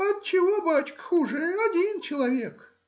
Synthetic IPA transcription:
ɐt̪̚t͡ɕɪvobat͡ɕkə̥xuʐɨɐdʲint͡ɕɪlˠɐvʲek

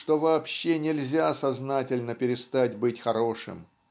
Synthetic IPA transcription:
ʂt̪o̞vaːpɕːe̞nʲɪlʲzʲasɐznatʲɪlʲnəpʲɪɾʲɪst̪atʲbɨtʲxɐɾo̞ʂɨ̰m

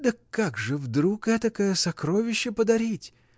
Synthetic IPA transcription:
d̪əkːaɡʐɨvd̪ɾukɛt̪əkəjəsɐkɾovʲɪɕːɪpəd̪ɐɾʲitʲ

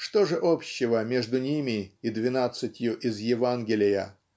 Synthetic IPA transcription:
ʂt̪oʐɨʔopɕːɪvəmʲe̞ʐd̪ʊnʲimʲɪid̪vʲɪnat̪sɨtʲjʊʔɪzjɪvanɡʲɪlʲɪjə

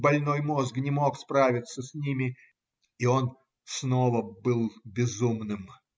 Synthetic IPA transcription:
bɐlʲno̞jmo̞zknʲɪmo̞kspɾavʲɪt̪səsʲnʲimʲɪ | io̞n | sno̞vəbɨlˠbʲɪzumnɨm

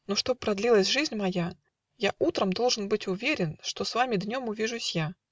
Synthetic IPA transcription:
noʂt̪o̞b̚pɾɐd̪lʲilˠəsʲʐɨzʲnʲmɐja | jaʔut̪ɾəmd̪o̞lˠʐɨnbɨtʲʊvʲeɾʲɪnʂt̪o̞svamʲɪd̪nʲo̞mʊvʲiʐʊsʲja

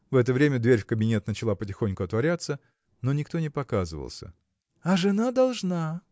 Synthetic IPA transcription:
vɛt̪əvɾʲemʲəd̪vʲeɾʲfkəbʲɪnʲe̞t̪nət͡ɕɪlˠapətʲɪxo̞nʲkʊɐt̪vɐɾʲat̪sə | no̞nʲɪkt̪o̞nʲɪpɐkazɨ̰və̰lˠsʲə̰ | ɐʐɨnad̪ɐlˠʐna

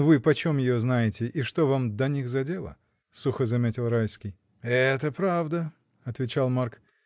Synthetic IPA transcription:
vɨpɐt͡ɕo̞mjɪjoznajɪtʲɪʔiʂt̪o̞vamd̪ɐnʲixzɐdʲe̞lˠə̰ | suxəzɐmʲetʲɪlˠrajskʲɪj | ɛt̪əpɾavd̪ə | ɐt̪vʲɪt͡ɕalˠmark

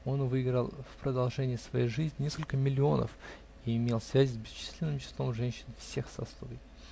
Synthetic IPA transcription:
o̞nvɨɪɡɾəlˠfpɾəd̪ɐlˠʐɛnʲɪjəsvɐjejʐɨzʲnʲɪnʲeskəlʲkəmʲɪlʲɪo̞nə̰f | iɪmʲe̞lˠsvʲæzʲɪzʲbʲɪst͡ɕi̥sʲlʲɪnːɨmt͡ɕɪ̥slˠo̞mʐɛnʲɕɪnfsʲe̞xsɐ̰slˠovʲɪj

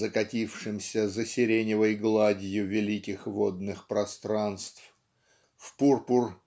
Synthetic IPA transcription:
zəkɐtʲifʂɨmsʲəzəsʲɪɾʲenʲɪvəjɡlˠadʲjʊvʲɪlʲikʲɪxvod̪̚nɨxpɾɐst̪ɾanst̪f | fpurpʊr

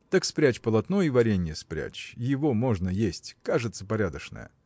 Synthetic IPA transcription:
t̪akspɾʲæt͡ɕpəlˠɐt̪nojivɐɾʲenʲjɪəspɾʲæ̰t͡ɕjɪvomoʐnəjesʲtʲkaʐɨt̪səpɐɾʲad̪əʂnə̰jə̰

